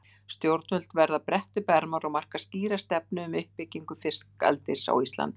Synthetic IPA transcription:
st̪jowɾt̪nʏl̥t̪vɛɾðapɾɛht̪ʏpɛɾmaɾɔɣmar̥kḁsciːɾast̪ɛp̚nʏʏmʏhpːɪcːiŋkʏfɪrska̰lt̪ɪsa̰wist̪la̰nt̪

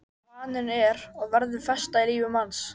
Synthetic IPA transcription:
aːnʏnɛɾɔɣvɛɾðɪlfɛst̪ailiːvɪmans

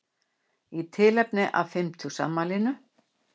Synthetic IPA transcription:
it̪ʰɪlɛpnɪʔa̰fɪmt̪ʰusa̰mːalɪnʏ

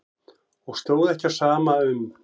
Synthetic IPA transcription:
ɔɣst̪joːwðɛhcḁsaːmaʏm

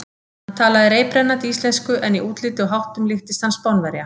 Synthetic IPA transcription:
hant̪ʰaːlaðɪɾeːjpɾɛnːat̪iiːst̪lɛnskʏʔɛniʔuːt̪lɪːt̪ʏɦawht̪ʏmlɪxt̪ɪst̪anspɔwnvɛɾja

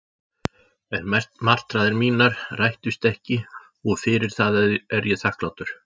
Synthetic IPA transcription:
ɛnmar̥t̪ɾaːðɪɾmiːnaɾ̥rajht̪ʏst̪ɛhcɪ | ɔɣfɪɾɪɾ̥θaðɛɾjɛθahklawt̪ʏɾ̥

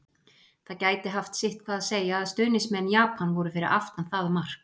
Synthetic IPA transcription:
θaðcaːjt̪ɪɦaft̪sɪht̪̚kʰvaðaðseːjaːðst̪ʏːnɪsmɛnːjaːpʰanvɔɾʏfɪɾɪɾʔa̰ft̪anθaːðʏmar̥k

